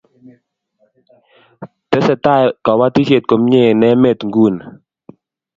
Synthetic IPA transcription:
t̪e˦sɛ˧t̪a˦˧˨jka˨wa˧˦t̪ʰi˦si˧˨t̪̚ko˨˦mɲe˧˨nɛ˧˦me˧˨t̪ŋɡu˧˨n

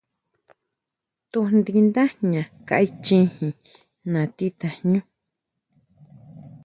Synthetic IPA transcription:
t̪u˧nd̪i˧nd̪ã˦ɲã˨ka̰˧˨ʔi˦t͡ʃĩ˦hĩ˨ | nã˨t̪i˦t̪a˧ɲũ˦

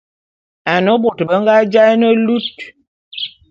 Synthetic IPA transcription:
a˨no˨˦bo˨tbə˦ŋɡa˦d͡ʒa˦nə˦lu˦t̚

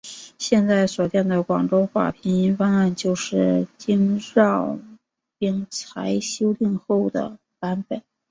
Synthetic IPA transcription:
ɕjɛ˥˧nt͡sa˥˩ɪswɔ˨˩t͡ɕ̪jɛ˥˩nd̪ə˩kwɑ˨˩ŋʈ͡ʂo˥ʊxwa̰˥˩pʰi˧˥ni˥nfɑ˥ŋa˥˧nt͡ɕjo˥˧ʊʂɻ̩˥˩t͡ɕi˥ŋɻɑ˥˩ʊ | pi˥ŋt͡sʰa˧˥ɪɕjo˥ʊli˥˧nxo˥˩ʊd̪ə̰˩ | pa˧˥npə˨˩˦n

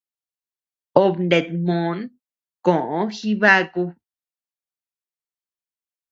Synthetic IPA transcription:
o˧βnd̪e˧t̪̚mõ˨˦n | kõ˨ʔõ˧˦xi˦βa˦ku˧

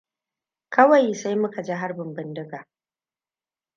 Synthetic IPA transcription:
kɐ˦wa˨jsa˦jmʊ˦ka˨d͡ʒe˦ɦa˦rbɪ˨mbɪ˦ndɪ˦ɡaː˨

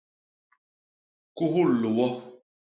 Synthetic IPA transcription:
ku˦ɦu˦˨le˨jɛ˦

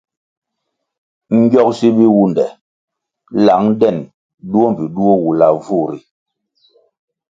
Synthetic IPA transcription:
ŋ̩˦ɡjɔ˦k̚si˦bi˦wu˦ndɛ˨ | la˨˦ŋdɛ˦˨n | du˦o˦m˨pi˨ɗu˦o˦wu˨la˨vu˦˨ɾḭ˨

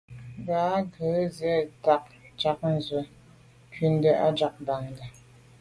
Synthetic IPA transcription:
baː˦ɡə˨˦zɛ˦ta˦k̚d͡ʒa˦k̚n̩˨zwə˨˦ | kɥi˦n˦də˦ʔa˦d͡ʒa˨˦k̚ba˨ŋ˨ɡa˨

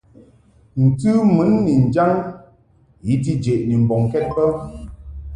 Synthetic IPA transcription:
n̩˨tɨ˦mɨ˨˦nːi˨n̩˨d͡ʒa˦ŋ | ji˨˦t̬i˦d͡ʒe˨ʔni˨m̩˨bɔ˨ŋ˨kɛ˦t̚pə˦

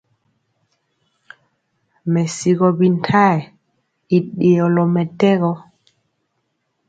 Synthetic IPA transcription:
mɛ˨si˨ɣɔ˨bi˨ntʰa˦ɛ˨ | i˨ɗi˨ɔ˨lɔ˨mɛ˨tɛ˦ɣɔ˦

